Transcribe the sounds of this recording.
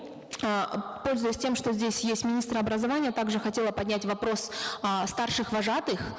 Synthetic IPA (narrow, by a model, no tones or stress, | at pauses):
po̞lʲzʊjɪsʲtʲe̞mʂt̪ozʲdʲesʲjesʲmʲɪnʲist̪ɾəɐbɾəzɐvanʲɪjət̪aɡʐɨxɐtʲe̞lˠəpɐdʲnʲætʲvɐpɾo̞sst̪arʂɨxvɐʐat̪ɨx